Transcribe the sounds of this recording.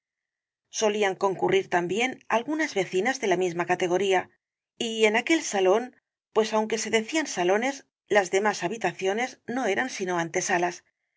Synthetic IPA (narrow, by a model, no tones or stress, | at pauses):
so̞liaŋko̞ŋkuriɾt̪ambje̞na̰lɣunazβe̞θinazðe̞lamizmakat̪e̞ɣ̞o̞ɾia | ie̞nake̞lsalo̞n | pwe̞sawŋke̞se̞ðe̞θiansalo̞ne̞z | lazðe̞masaβit̪aθjo̞ne̞zno̞e̞ɾansino̞ant̪e̞salas